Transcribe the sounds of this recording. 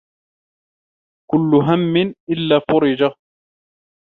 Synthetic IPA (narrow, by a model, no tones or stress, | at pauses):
kʊlːʊɦamːɪnʔɪlːaːfʊɾɪd͡ʒa